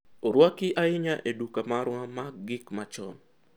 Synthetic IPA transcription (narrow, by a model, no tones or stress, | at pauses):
oɾwakɪʔaɪɲaʔedukamaɾŋamaɡɪkmat͡ʃɔ̰n